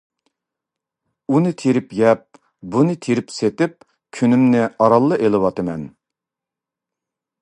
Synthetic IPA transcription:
unɨt̪ʰeɾɪpɡɛp̚ | bunɨt̪ʰeɾɪpset̪ɪp̚ | kʲʰynymnɪɑɾɑlˠːɨʔelˠɨwɑt̪ɨmɛn

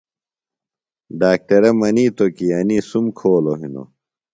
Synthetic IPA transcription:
ɖaːk̚ʈɐɾɐmɐniːt̪okiɐnisumkʰoːloɦino̰

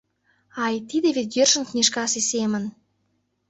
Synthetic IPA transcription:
ɑjt̪id̪evet̪jørʃə̆nknʲeʃkɑsesemə̆n

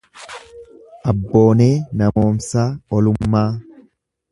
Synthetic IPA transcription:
ʔɐbːo̞ːne̞ːnɐmo̞ːmsaːɔlʊmːaː

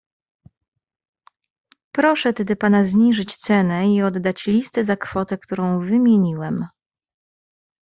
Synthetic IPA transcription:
pɾɔʂɛt̪ɛd̪ɘpanazɲiʐɘt͡ɕt̪sɛnɛiɔd̪ːat͡ɕlʲist̪ɘzakfɔt̪ɛkt̪uɾɔ̃w̃vɘmʲjeɲiwɛm

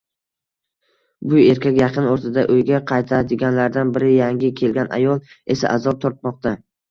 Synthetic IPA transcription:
bʊe̞ɾkʲakʲjɑqʰɨnoɾt̪ʰad̪aʔɵjɡʲaqʰɑjt̪ʰad̪ɪɡʲanlaɾd̪anbɪɾɪjaŋɡʲɪkʲʰe̞lɡʲana̰jɒlˠ | e̞sa̰ʔazɒp̚t̪ʰɒɾt̪̚mɒq̚t̪ʰa

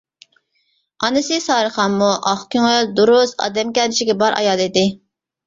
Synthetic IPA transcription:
ɑnɨsɨsɑːɾɨχɑmːuʔɑχkʲyŋøld̪uɾʊsɑ̰d̪ɛmkʲɛnɪt͡ʃɪɡʲɛbɑɾʔɑ̰jɑd̪id̪ɪ

